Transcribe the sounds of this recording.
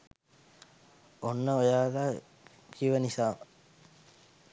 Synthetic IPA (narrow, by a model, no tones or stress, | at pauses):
onːəojaːɡa | kʰiʋənisaːmə